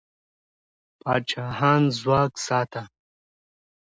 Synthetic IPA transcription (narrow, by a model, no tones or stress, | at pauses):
paːt͡ʃaːɦaːnzwaːksaːt̪a